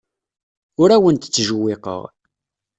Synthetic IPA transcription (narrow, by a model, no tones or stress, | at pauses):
ʊɾæwənt̪ə̥t͡sːʒuwːɪqə̰ʁ